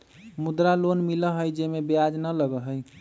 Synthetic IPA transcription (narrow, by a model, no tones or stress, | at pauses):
mud̪ɾalonmiləɦəjd͡ʒemebjad͡ʒnələɡəɦəj